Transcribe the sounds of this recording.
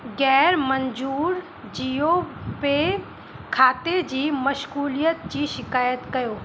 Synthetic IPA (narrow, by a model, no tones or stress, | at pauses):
ɡɛːɾmɐ̃ɲd͡ʑuːɾ | d͡ʑijope | kʰaːt̪ed͡ʑiːmɐʃɣuːlijət̪d͡ʑiːʃɪkaːjət̪kɐjoː